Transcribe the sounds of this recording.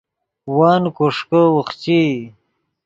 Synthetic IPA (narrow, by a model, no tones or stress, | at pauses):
waːnkoʂkəwəχt͡ɕi